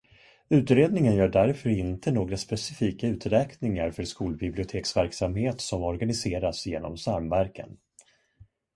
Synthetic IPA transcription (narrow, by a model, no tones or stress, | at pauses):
ʉ̟ːt̪ɾeːd̪nɪŋənjœːɖæɾfœɾɪnt̪ʰənoːɡɾaspɛsɪfiːkaʉ̟ːt̪ɾɛːknɪŋaɾfœɾʂkuːlbɪblɪʊt̪ʰeːksvæɾksamheːt̪sɔmɔɾɡanɪseːɾasjḛːnɔ̰msaɾmvæɾkʰə̰n